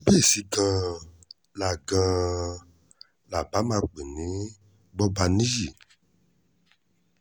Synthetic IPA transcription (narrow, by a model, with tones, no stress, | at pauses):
be˦˨si˨ɡã˧ | la˨ɡã˧ | la˨ba˨˦mã˧k͡pe˨nĩ˨˦ | bɔ˦ba˧nĩ˦ji˦˨